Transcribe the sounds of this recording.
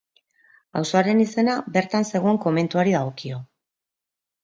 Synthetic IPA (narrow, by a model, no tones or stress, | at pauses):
awso̞aɾe̞nise̞nabe̞ɾt̪anse̞ɣoeŋko̞me̞nt̪uaɾið̞aɣ̞o̞kio̞